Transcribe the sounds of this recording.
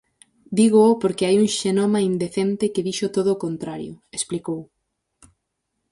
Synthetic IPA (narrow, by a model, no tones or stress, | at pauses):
d̪iɣoopoɾkeajuŋʃenomɐind̪eθent̪ɪkɪðiʃʊt̪oðoːkont̪ɾaɾjʊ̰esplikow